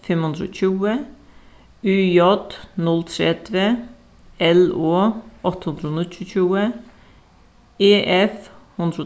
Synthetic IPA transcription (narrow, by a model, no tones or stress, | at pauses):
fɛmhʉnd̪ɾəo̰ːt͡ʃʉːə | ʉːjɔd̪nɔlt̪ʰɾeːd̪ʋe | ɛloːʔɔt̪əhʉnd̪ɾəɔnt͡ʃʰʉːt͡ʃuːə | eːʔɛfhʉnd̪ɾəoː